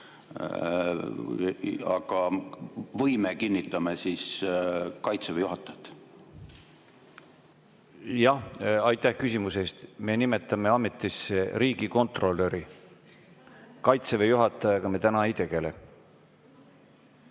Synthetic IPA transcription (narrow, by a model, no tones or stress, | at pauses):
ɑ̰kɑ | vɤjmekinʲːit̪ːˑɑmesis | kɑjt̪sevejuɦɑt̪ːˑɑt̪ | jɑhɑjt̪ːˑæhkysʲimuseːst̪me̞nime̞t̪ːˑɑme̞ɑmːe̞t̪ːˑiseɾiːɡiko̞nt̪ro̞lːeɾi | kɑjt̪sevejuɦɑt̪ːˑɑjɑɡ̥ɑmet̪ænɑejt̪e̞ɡ̥e̞le̞